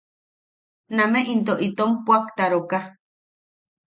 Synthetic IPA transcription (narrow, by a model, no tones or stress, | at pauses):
nameʔint̪oʔit̪ompwakt̪aɾoka